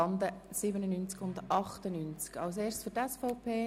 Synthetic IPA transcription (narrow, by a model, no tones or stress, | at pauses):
ɑnd̪əsɪbənənynt͡skʊndɑχt̪ənynt͡skɑls̬eːrstsføtɛsfɔʊpʰeː